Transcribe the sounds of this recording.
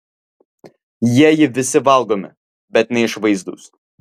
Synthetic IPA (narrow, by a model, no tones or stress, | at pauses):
jiɛjɪʋʲɪsʲɪʋɐlˠɡoːmʲɪ̰ | bʲɛt̪nʲɛɪʃʋɐɪzd̪ṵːs